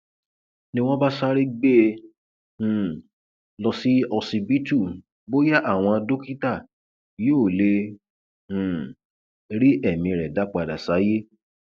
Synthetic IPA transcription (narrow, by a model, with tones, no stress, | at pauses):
nĩ˧w̃ɔ̃˦ba˦sa˦ɾi˦ɡ͡be˦˧˨ | lɔ˧si˦ɔ˧si˧bi˦tu˦˨ | bo˦ja˦ʔa˦˨w̃ɔ̃˧do˦ki˦ta˦˨ | joː˦˨lẽ˧˨ | ɾi˦ʔɛ˦˨mĩ˧ɾɛ˨da˨˦k͡pa˨da˨sa˨˦je˦